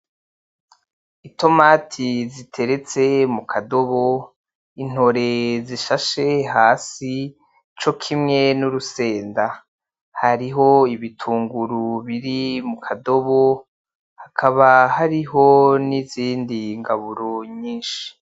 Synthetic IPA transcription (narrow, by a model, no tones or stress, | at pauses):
ito̞maːtʰizitʰe̞ɾe̞t͡se̞mukʰado̞βo̞ | in̥ho̞ɾe̞ziʃaʃe̞ɦaːsi | t͡ʃo̞kʰimŋe̞nuɾuse̞ːnda | haɾiɦo̞iβitʰuːŋɡuɾuβiɾimukʰado̞βo | hakʰaβahaɾiɦo̞niziːndiŋɡaβuɾoɲiːnʃi̥